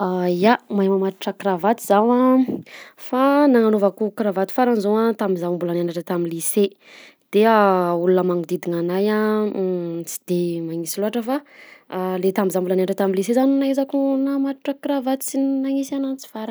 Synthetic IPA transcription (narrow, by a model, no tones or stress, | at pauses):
ajamajmamat̪uʈ͡ʂəkiɾavat̪izawa | fanaŋanovakukɾavat̪i̥faɾanzoat̪amizambulananaʈ͡ʂət̪amilise | d̪̥eaulunəmaŋud̪id̪iŋanaja | t͡si̥d̪emaŋisiloɦaʈ͡ʂəfa | let̪ambizabulaneanaʈ͡ʂət̪amilis̬ezaninaezakunamat̪uʈ͡ʂəkɾavat̪i̥t͡sinnaŋisanant͡si̥faɾan